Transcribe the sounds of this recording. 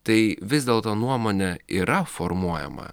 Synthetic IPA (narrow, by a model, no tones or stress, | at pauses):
t̪ɐɪʋʲɪzʲd̪ʲeːlˠt̪oːnuɔmoːnʲɛiːɾɐfɔɾmuɔjɛ̰mɐ̰